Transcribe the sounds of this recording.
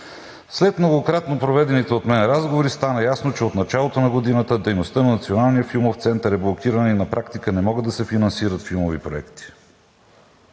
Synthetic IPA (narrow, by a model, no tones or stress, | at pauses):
slɛt̪mnoɡokɾat̪nopɾovɛd̪ɛnit̪ɛot̪mɛnɾazɡovoɾist̪anəjasnot͡ʃɛot̪nɐt͡ʃalˠot̪onɐɡod̪inət̪əd̪ɛjnost̪ənɐnɐt̪sionalˠnijəfilˠmoft̪sɛnt̪əɾɛblˠokʰiɾənɛinɐpɾʔakt̪ikənɛmɔɡəd̪ːɐsɛfinɐnsiɾət̪filˠmovipɾoɛ̰kt̪i̥